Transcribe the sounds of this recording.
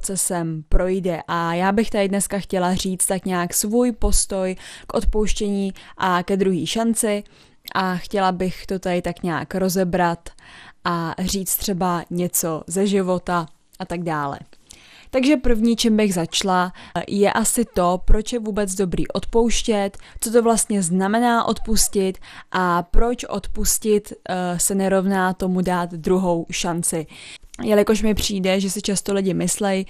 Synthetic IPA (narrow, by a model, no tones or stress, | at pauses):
t͡sɛsɛmpɾo̞jdɛʔajaːbɪxt̪adɪdnɛskaxcɛlar̝iːt͡st̪akɲaːksvuːjpo̞st̪o̞jkʔo̞t̪powʃcɛɲiːʔakɛd̪ɾuɦiːʃant͡sɪ | ʔaxcɛlabɪxt̪o̞t̪adɪt̪akɲa̰ːkɾo̞zɛbɾat̪ʔar̝iːt͡st̪r̥ɛbaɲɛt͡so̞zɛʒɪvo̞t̪a | ʔat̪aɡdaːlɛ̰ | t̪aɡʒɛpr̩vɲiːt͡ʃɛmbɪɣzat͡ʃlajɛʔasɪt̪o̞pɾo̞t͡ʃjɛvuːbɛd͡zdo̞bɾḭːʔo̞t̪po̞wʃcɛt̪t͡sot̪̬o̞vlast̪ɲɛznamɛnaːʔo̞t̪puscɪt̪ʔapɾo̞t͡ʃʔo̞t̪puscɪt̪sɛnɛɾo̞vnaːt̪o̞mudaːt̪d̪ɾuɦowʃant͡sɪjalɪko̞ʃmɪpr̝̥iːdɛʒɛsɪt͡ʃast̪olɪɟɪmɪslɛj